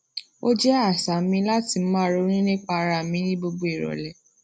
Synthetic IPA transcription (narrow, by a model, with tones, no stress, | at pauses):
o˦d͡ʒɛ˦a˦˨sa˨mĩ˧la˦ti˧˨m̩˦mã˦ɾo˨˧˦ɾ̃ĩ˦nĩ˦k͡pa˧ɾa˧˨mĩ˨˦nĩ˦bo˧ɡ͡bo˦e˨ɾɔ̰˨lɛ˨